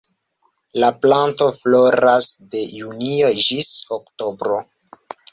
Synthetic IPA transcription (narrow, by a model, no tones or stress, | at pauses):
laplanto̞flo̞ɾasde̞junio̞d͡ʒisokto̞bɾo̞